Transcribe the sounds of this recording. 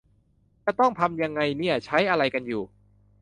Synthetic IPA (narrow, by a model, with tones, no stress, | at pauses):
t͡ɕa˧˩t̪ɔ˥˩ŋt̪ʰa˧mja˧ŋːa˧jni˥˩ɐt͡ɕʰa˦˥jʔa˧ɾa˧jka˧njuː˨˩